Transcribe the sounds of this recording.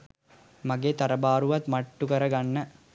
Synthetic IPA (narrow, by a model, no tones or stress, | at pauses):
maɡeːt̪aɾəbaːɾuʋat̪maʈːukəɾəɡanːə